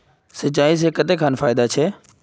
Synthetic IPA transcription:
sət͡ʃaːis̬eːkət̪ekʰaːnfaːɪd̪at͡ʃʰeː

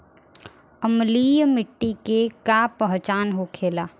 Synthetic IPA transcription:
əmliːjmɪʈːikekapəɦt͡ʃaːnɦokʰeːlaː

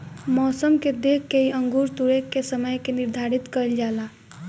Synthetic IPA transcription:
mɔsəmked̪ekːeiəŋɡuɾt̪uɾekːesəməjkeniɾd̪ʱaɾit̪kəjld͡ʒala

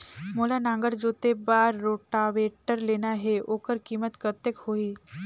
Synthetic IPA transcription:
molanãŋɡəɾd͡ʒot̪ebaɾːoʈaʋeʈəɾlenaɦeʔokəɾkiːmət̪kət̪jəkhoiː

